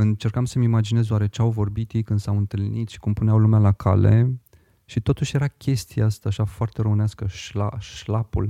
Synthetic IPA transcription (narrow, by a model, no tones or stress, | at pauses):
ɨnt͡ʃe̞rkamsəmimad͡ʒine̞zd̪oaɾe̞t͡ʃeawvo̞rbit̪jijkɨnd̪sawɨnt̪ɨlnit̪ʃi̥kumpuneawlumealakʰa̰le̞̰ | ʃit̪o̞t̪uʃje̞ɾakʲe̞st̪ieast̪aːʃafoart̪e̞rəmɨneaskəʃlaʃlapṵl